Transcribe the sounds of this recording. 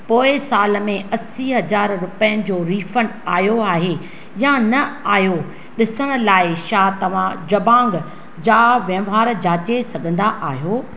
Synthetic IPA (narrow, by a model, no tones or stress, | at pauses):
poːɪsaːlmẽʔɐsiɦɐd͡ʑaːɾɾʊpəjənɪ̆d͡ʑoːɾiːfənaːjoaːɦe | janɐaːɦjo | ɗɪsəɽ̃ʊ̆laːɪʃaːt̪ɐʋ̤ãd͡ʑɐbãːŋɡ | d͡ʑaːʋjɐ̃ʋaːɾd͡ʑaːt͡ɕesɐɡʱə̃nd̪aʔaːɦijoː